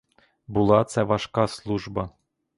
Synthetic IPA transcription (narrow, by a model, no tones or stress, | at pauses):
bulˠɑt̪sɛʋɑʃkɑslˠuʒbɑ